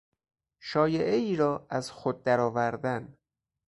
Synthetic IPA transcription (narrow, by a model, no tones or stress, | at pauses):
ʃɒːjeʔeiːɾɒːʔæzxod̪̚ːæɾɒːvæɾd̪æn